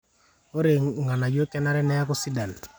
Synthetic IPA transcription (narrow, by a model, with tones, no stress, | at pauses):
o˦ɾe˨ŋɡa˨na˨d͡ʒo˦kɛ˦na˦ɾɛ˦nɛ˦ja˦kʊ˦si˦da˨n